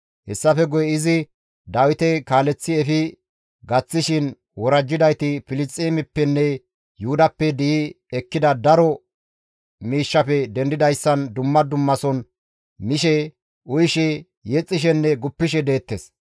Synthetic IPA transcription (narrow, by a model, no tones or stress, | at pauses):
hɛsːɐfɛɡɔjɛɪzɪ | d̪aːwɪt̪ɛkaːlɛt͡sːɪɛfɪ | ɡɐt͡sːɪʃɪn | wɔɾɐd͡ʒːɪd̪ɐjt̪ɪfɪlɪt͡sʼːimɪpːɛnːɛ | jʊʊd̪ɐpːɛd̪ɪ | ɛkːɪd̪ɐd̪ɐɾɔ | miːʃːɐfɛd̪ɛnd̪ɪd̪ɐjsːɐnd̪ʊmːɐd̪ʊmːɐsɔn | mɪʃɛ | ʔʊjʃɛ | jɛt͡sʼːɪʃ̬ɛnːɛɡʊpːɪʃ̬ɛd̪e̞ːt̪ːes